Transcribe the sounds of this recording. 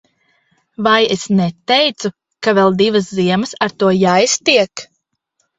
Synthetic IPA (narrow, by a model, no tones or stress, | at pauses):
vajesnɛt̪ejt̪su | kavɛlˠd̪ivɐsziɛməsaɾt̪uɔjajst̪iɛk